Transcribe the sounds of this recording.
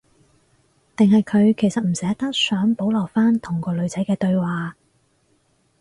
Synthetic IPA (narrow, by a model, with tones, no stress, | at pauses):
t̪ɪ˨ŋɦɐ˨jkʰɵ˨˧ɥkʰe˨˩jsɐ˨t̚m̩˨˩sɛː˨˥t̪ɐ˥k̚sœː˨˥ŋpo˨˥wlɔː˨˩faː˥nt̪ʰʊ˨˩ŋkɔː˧lɵ˨˧ɥt͡sɐ˨˥jkɛː˧t̪ɵ˧ɥwaː˨˩